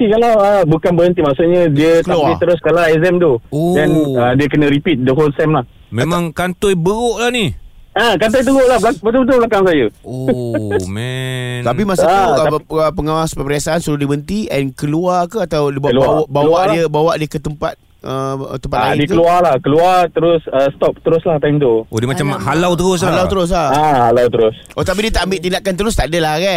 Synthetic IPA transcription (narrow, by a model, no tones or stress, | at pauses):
ikalaəbukanbəɦənt̪imaʔsʊʔ̚ɲə̃diətkəaluaiəɾʊskalaɛzɛmt̪uodɛnədiəkənə̃ɾipit̪̚dəɦolsɛmlah | memãŋkant̪ojbəɣoʔlahni | akant̪ɔjt̪̬əɣoʔlablabət̪ubət̪̬ʊlblakaŋsajəo | mɛt̪ap̬imasauəpəŋawaspəpəɾiasaansuɾudibəənt̪iʔɛnkəluakəat̪awdiblawabawaʔdiəbawaʔdiəkət̪əmpa̰t̪̚ | ət̪ːəmpat̚ladiək̪kəlualahkəluat̪əɾʊsəst̪ɔp̚t̪əɾʊslaht̪ajmt̪uodemat͡ʃamhalawt̪əɾʊs̬lalawt̪əɾʊs̬laaalawt̪əɾʊsʔot̪ap̬idiət̪aʔambɪʔt̪̬indaʔkant̪əɾʊst̪aʔdəlahɣɛʔ